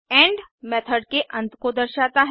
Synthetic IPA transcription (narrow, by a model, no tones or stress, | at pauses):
ɛ̃ːɳɖmɛːt̪ʰəɖkeʔɐ̃nt̪kod̪əɾʃaːt̪aɦ